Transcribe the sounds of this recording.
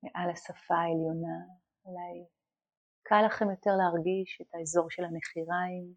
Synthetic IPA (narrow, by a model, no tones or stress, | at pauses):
meʔalasafaeljo̞na | laj | kʰalaχe̞mjo̞te̞ʁleaʁɡiʃetaezo̞ʁʃelhameχiʁaim